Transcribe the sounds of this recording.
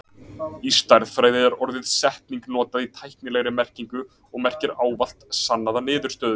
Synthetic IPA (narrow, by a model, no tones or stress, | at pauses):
ist̪ajɾðfɾaːjðɪɛɾɔɾðɪð̥sɛht̪niŋknɔːt̪aðit̪ʰajhknɪlɛɣɾɪmɛr̥ciŋkʏ | ɔɣmɛr̥cɪɾaːwval̥t̪sanːaðanɪːðʏɾ̥st̪œːðʏ